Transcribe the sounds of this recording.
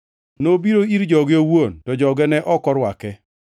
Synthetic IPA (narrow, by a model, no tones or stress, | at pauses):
nobiɾoiɾd͡ʒɔɡowontɔd͡ʒɔɡɛnɛʔɔkɔɾwakɛ